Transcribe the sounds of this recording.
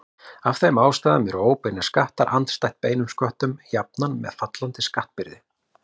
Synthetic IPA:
afθejmaːwst̪aːðamjɛɾoːwpɪnaskaht̪aɾʔa̰nt̪st̪ajt̪̚peːjnʏmskœht̪ʏmçjap̚nanmɛ̰ðfat̪lant̪ɪskaht̪̚pɪɾðɪ

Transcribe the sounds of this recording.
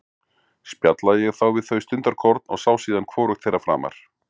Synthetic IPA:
spjat̪laðjɛɣθawvɪðθœɥst̪ʏnt̪aɾkʰɔɾt̪̚nɔɣsaːwsiːðankʰvɔːɾʏxt̪θejrːafɾa̰ːma̰ɾ̥

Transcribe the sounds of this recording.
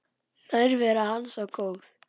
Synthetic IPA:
najɾvɛːɾahansawkoːwθ

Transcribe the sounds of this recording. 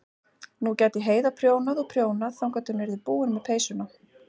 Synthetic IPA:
nucɛːt̪ɪɦeːjðapʰɾjoːwnaðɔpʰɾjoːwnaðθawŋkat̪ʏnɛɾðɪpuːɪnmɛðpʰeːjsʏna

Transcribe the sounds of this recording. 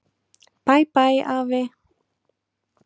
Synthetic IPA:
pajpajʔave

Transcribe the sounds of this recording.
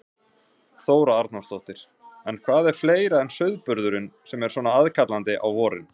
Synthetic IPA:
θoːwɾaaɾt̪nast̪oht̪ɪɾ̥ | ɛnkʰvaːðɛɾ̥fleːjɾaɛnsœɥðpʏɾðʏɾʏnsɛmɛɾ̥svɔːnaaðkʰat̪lant̪ɪʔa̰wvɔːɾɪ̰n

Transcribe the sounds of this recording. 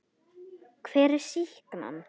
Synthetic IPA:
kʰv̥ɛːɾɪɾ̥sihkma̰nː

